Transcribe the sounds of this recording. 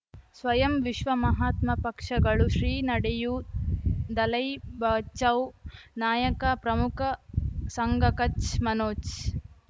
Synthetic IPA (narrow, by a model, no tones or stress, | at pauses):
sʋɐjɐmʋiʃʋɐmɐɦaːt̪mɐpɐkʂɐɡɐɭuʃɾiːnɐɽeju | d̪ɐlɐjbɐːt͡ʃɐwnaːjɐkɐpɾɐmukʰɐsɐŋɡɐkɐt͡ʃmɐnoːt͡ʃ